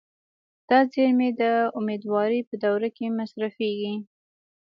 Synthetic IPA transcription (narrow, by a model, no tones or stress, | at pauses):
d̪̥ɑzeɾmed̪əʊmed̪wɑɾipəd̪awɾakemasɾafeɡi